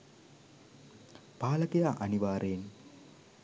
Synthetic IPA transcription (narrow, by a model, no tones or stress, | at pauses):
paːləkejaːʔɐniʋaːɾejːn